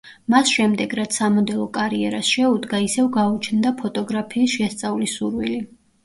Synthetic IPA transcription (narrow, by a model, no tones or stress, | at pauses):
masʃɛmd̪ɛɡɾat̪ssamɔd̪ɛlˠɔkʼaɾiɛɾasʃɛud̪ɡaisɛvɡaut͡ʃʰnd̪apʰɔt̪ʼɔɡɾapʰiːsʃɛst̪sʼalisuɾwili